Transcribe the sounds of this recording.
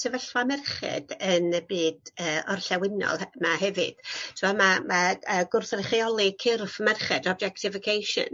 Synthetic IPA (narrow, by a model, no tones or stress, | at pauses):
sɛvəɬwamɛrχɨ̰d̥ənəbiːdəːɔrɬɛwɪnɔ̰lˠmaɦɛvɨ̰d̥tʰɪmɔmamaəːɡʊrθrχiɔlˠikʰɪrfəmɛrχɛdɔb̚d͡ʒɛktʰɪfɪkʰejʃə̰n